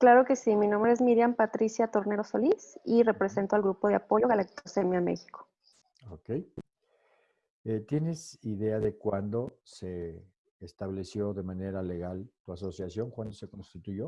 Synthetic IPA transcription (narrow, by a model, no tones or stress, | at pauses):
klaɾo̞ke̞siminõmbɾeezmiɾjampat̪ɾisjat̪o̞ɾne̞ɾo̞solisire̞pɾe̞se̞nt̪oalɣɾupo̞ðeapo̞ʝo̞ɣalak̚t̪osemjamḛxi̥ko̥ | okej | et̪jene̞siðe̞aðe̞kwand̪o̞seː | st̪aβle̞sjo̞ðe̞mane̞ɾale̞ɣalt̪uaso̞sjasjo̞ŋkwand̪o̞se̞ko̞nst̪it̪uʝo̞